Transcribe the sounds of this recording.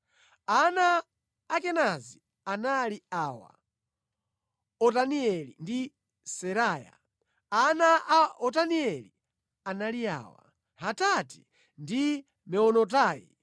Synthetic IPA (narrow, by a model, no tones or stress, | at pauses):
anaː | kɛnazi | analiaːwa̰ | ɔtaniɛlḭndi | sɛɾaːja̰ | anaʔaɔtaniɛli | analia̰ːwa̰ | ɦatati̥ | ndi | mɛɔnɔt̬aːḭ